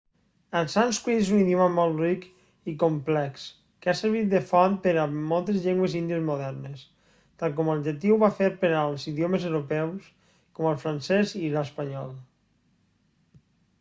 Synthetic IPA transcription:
əlˠsanskwiezuniðijoməmɔlˠt̪rik | ikomplɛks | keasəɾβ̞it̪̚d̪əfɔnpəɾəmɔlˠt̪ezʎeŋɡwezind̪iəzmuðɛɾnes | t̪alˠk̬ɔməlʒet̪ːiwβafeɾpeɾalˠziðioməzewɾopɛws | kɔməlˠfɾansɛziləspəɲɔlˠ

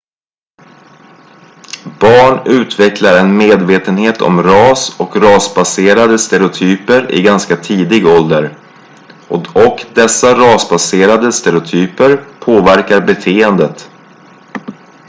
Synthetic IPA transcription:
b̥ɑːɳʉ̟ːt̪vɛklaɾɛnmeːd̪veːt̪ənheːt̪ʰɔ̰mɾɑːsɔ̰kɾɑːsbaseːɾad̪əst̪ɛɾɛʊt̪ʰyːpəɾɪ̰ɡanskat̪ʰiːd̪ɪɡɔld̪əɾ | ɔɔkd̪ɛsːaɾɑːsbaseːɾad̪əst̪ɛɾɪʊt̪ʰyːpəɾpʰoːvæɾkaɾbɛt̪ʰeːənd̪ət̪

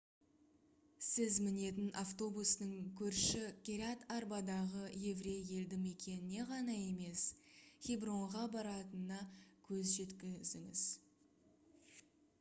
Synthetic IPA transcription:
sɪzmɪne̞t̪̬ɪnʔaft̪o̞busnəŋkʲʰɵɾʃɪkʲeɾʲat̪aɾbɑd̪ɑʁəje̞vɾe̞je̞ld̪ɪme̞kʲʰe̞nɪne̞ʁɑnɑje̞me̞sχʲibro̞ɴʁɑbɑɾɑt̪ənːɑkʲʰɵzʒe̞t̪kʲɪzɪŋɪ̰z̥

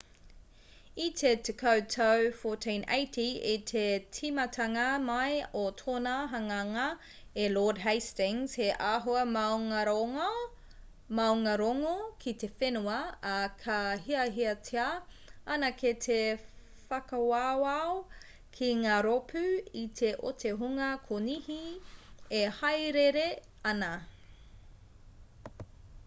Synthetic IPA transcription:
itʰet̪ʰekʰɐwtʰɐwfoːtʰĩnʔḛjtʰiit̪ʰetʰimɐtʰɐŋɐmɐjotʰoːnaɦɐŋaŋɐ | eloːdɦejstɪŋz̥heʔaːɦoɐmawŋɐɾo | mɐwŋɐɾoŋokʰit̪efenuɐːkʰɐɦiɐɦiɐtʰea | ɐnɐkʰet̪ʰe | fɐkɐwawao | kʰiŋaːɾopʰʉit̪ʰeʔo̰tʰeɦuŋɐkʰonihi | ehɐjɾeɾe | ɐnɐ

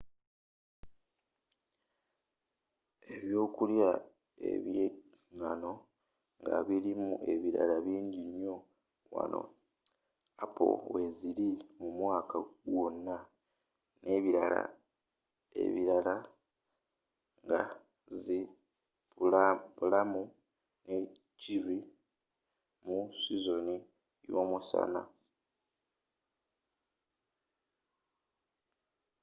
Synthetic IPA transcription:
e̞βjo̞ːkulja | e̞̰βje | ŋano̞ | ŋɡa̰βiɾimue̞̰βiɾa̰laβiːɲɟiɲjo̞ | wa̰no̞̰ | apo̞̰we̞ziɾimumwaːkʰaɡwo̞nːa | nʔe̞βiɾala̰ | e̞̰βiɾala | ŋɡa | zi | upulamu | ne | ciɾi | musizo̞ni | jo̞musa̰na̰

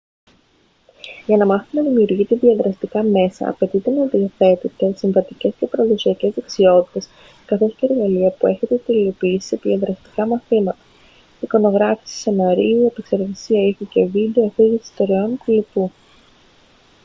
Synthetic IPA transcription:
ʝɐnɐmɐθinɐðimiuɾʝit̪eðiɐðɾɐst̪ikɐme̞sɐ̰ɐ̰pe̞t̪it̪e̞neɐðiɐθe̞t̪it̪e̞siɱvɐt̪ice̞sce̞pɐɾɐðosiɐce̞zðe̞ksio̞t̪i̥t̪e̞s | kɐθo̞sceːɾɣɐliɐpue̞çe̞t̪e̞t̪elio̞piːsi̥sepiiɐðɾɐst̪i̥kɐmɐθimɐt̪ɐ̥ | iko̞no̞ɣɾɐfi̥ssenɐɾiuiepe̞kse̞ɾɣɐsiɐiçece̞vid̪e̞ofiʝisi̥st̪oɾeonkulipu

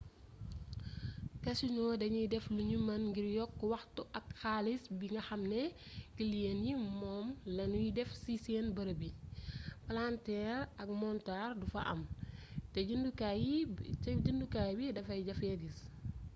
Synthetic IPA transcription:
kɐsiɲɔdɐɲidɛfluɲumɐnŋɡiɾjɔkːuwɐxtuʔɐkxaːlisbiŋɡɐxɐmnɛ | kiljenjimɔːmlɐnujidɛfsisɛnbɐɾɐbi | plantɛːɾɐk̚mɔntardufɐ̰ʔɐ̰mtɛɟinduka | ɟindukajbidɐfɐjɟɐfɛɡis

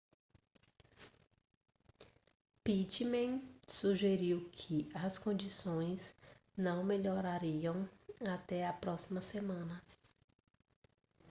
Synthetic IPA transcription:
pit͡ʃmẽsuʒeɾiwkʰɪɐskõd͡ʒisõj̃snɐ̃w̃meʎoɾaɾiɐ̃w̃at̪ɛɐpɾɔsimɐsemɐ̃nɐ

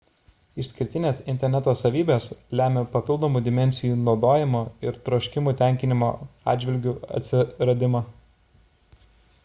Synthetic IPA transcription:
ɪʃʲsʲkʲɪɾʲt̪ʲɪnʲeːsɪnʲt̪ʲɛɾʲnʲɛt̪oːsɐʋʲiːbʲeːslʲæːmʲeːpɐpʲɪlˠd̪oːmuːd̪ʲɪmʲɛnʲsʲɪjuːnɒʊd̪oːjɪmoːɪɾt̪ɾɔːʃʲkʲɪmuːˑt̪ʲæˑŋʲkʲɪnʲɪmo̰ːɑ̰ːd̪d͡ʒʲʋʲɪlʲɡʲuɐ̰t̪ʲsʲɪɾɐd̪ʲɪmɑː

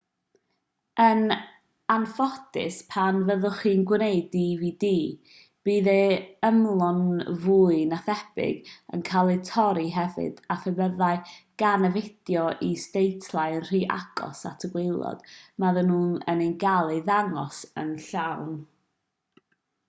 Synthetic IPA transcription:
ən | anfɔdɪ̰spʰanvəðʊχiːnɡwnejdiviːdiː | b̥iːðeəmlˠɔnvuːɨnaθɛb̥ɪ̰ɡə̰nkʰalˠɨtʰɔɾiɦɛvɪ̰d̥aθəbəðaɨɡ̥anəvɪdjɔʔistejtʰlˠajənr̥iːʔa̰ɡ̥ɔ̰satʰəɡwelˠɔ̰d̥maðənuːnə̰nejnɡalˠiðaŋɔsə̰nɬawn

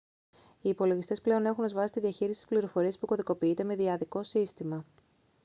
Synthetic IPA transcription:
iːpo̞lo̞ʝist̪e̞sple̞o̞ne̞xune̞zvɐsi̥t̪iðiɐçiɾisi̥t̪i̥spliɾo̞fo̞ɾie̞spuko̞ðiko̞piit̪e̞me̞ðiɐðiko̞sist̪imɐ

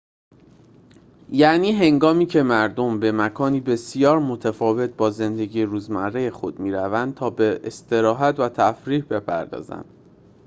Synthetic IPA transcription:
jæʔniːɦe̞ŋɡɒːmiːcʰe̞mæɾd̪o̞mbe̞mækʰɒːniːbe̞sijɒːɾmo̞t̪ʰæfɒːve̞t̪̚bɒːze̞nd̪e̞ɟiːeɾuːzmærːe̞je̞xo̞d̪̥̚miːɾævænd̪̚t̪ʰɒːbeʔest̪e̞ɾɒːɦæt̪væt̪ʰæfɾiːhbe̞pʰæ̰ɾd̪ɒ̰ːzæ̰nd̪̥

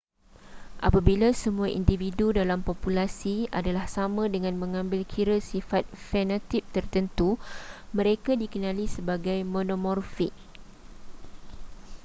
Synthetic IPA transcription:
ʔa̰pabilasəmũaʔḭndividudalampɔpulasia̰dalahsamãdəŋãnmə̃ŋãmbɪlkʰiɾəsifat̪̚fɛnat̪ip̚t̪ərt̪ənt̪umə̃ɾekadikənãlisəbaɡajmõnomɔrfiɪk̚

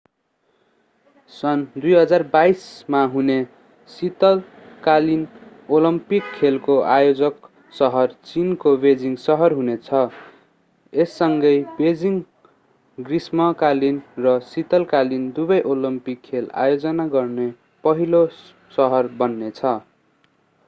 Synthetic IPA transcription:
sʌnd̪ujɦʌd͡zarbajsmaɦune | sit̪ʌl | kalin | olʌmpikʰːelkoʔajod͡zʌk | sʌɦʌrt͡sinkobed͡ziŋsʌɦʌrɦunet͡sʰʌ | esːʌŋɡʌjbed͡ziŋ | ɡrismʌkalinrʌsit̪ʌlkalind̪ubʌjʔolʌmpikʰːela̰jod͡zʌnaɡʌrne | pʌɦilo | sʌɦʌrbʌnːet͡sʰʌ

